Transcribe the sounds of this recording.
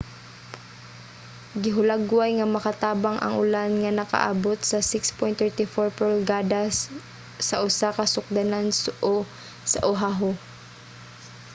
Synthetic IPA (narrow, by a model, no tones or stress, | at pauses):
ɡɪɦʊlaɡwajŋɐmɐkɐt̪aːbaŋʔɐ̰ŋʔʊ̰lanŋɐnɐkɐ̰ʔa̰ːbot̪̚sɐsɪkspɔjnt̪ɛɹt̪ɪfoɹpolɡaːd̪asː | ɐʔʊsakɐsʊk̚d̪anansʔo | sɐʔʊɦaɦo